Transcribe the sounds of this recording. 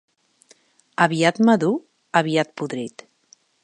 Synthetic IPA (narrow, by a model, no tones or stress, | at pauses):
əβiat̪maðu | əβiat̪̚puðɾit̪